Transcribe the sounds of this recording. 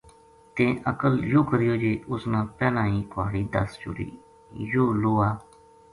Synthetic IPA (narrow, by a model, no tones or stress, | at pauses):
t̪ẽːʔəkəljoːkəɾijoːd͡ʒeːʔʊsnãːpɛːlãːĩːkʰʊaːɽiːd̪ə̰sd͡ʒʊ̰ɾḭː | joːloːaː